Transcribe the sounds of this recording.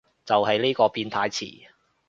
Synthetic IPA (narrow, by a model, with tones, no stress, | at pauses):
t͡sɐ˨whɐ˨˥jliː˥kɔː˧piː˧nt̪ʰaː˧jt͡sʰḭː˨˩